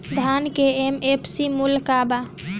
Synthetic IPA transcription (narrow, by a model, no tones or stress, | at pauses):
d̪ʱankeemepʰsimulkaba